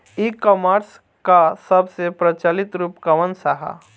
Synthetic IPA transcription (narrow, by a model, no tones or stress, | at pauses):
ikɔmaːɾs | kasɐbsepɾɐt͡ʃaːlɪt̪ɾuːpkɐʋənsaɦa̰